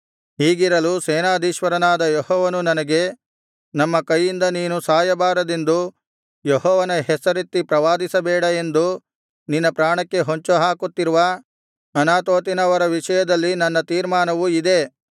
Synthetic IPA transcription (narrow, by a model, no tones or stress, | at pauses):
ɦiːɡiɾɐlusɛːnaːd̪ʱiːʃʋɐɾɐnaːd̪ɐjɔhɔːʋɐnunɐnɐɡe̞ | nɐmːɐkɐjːind̪ɐniːnusaːjɐbaːɾɐd̪e̞nd̪u | jehɔːʋɐnɐɦɛsɐɾit̪ːipɾɐʋaːd̪isɐbɛːɽɐe̞nd̪u | ninːɐpɾaːɳɐkːe̞ɦoɲt͡ʃuɦaːkut̪ːiɾuʋɐ | ɐnaːt̪oːt̪inɐʋɐɾɐʋiʂɐjɐd̪ɐlːinɐnːɐt̪iːɾmaːnɐʋuid̪e̞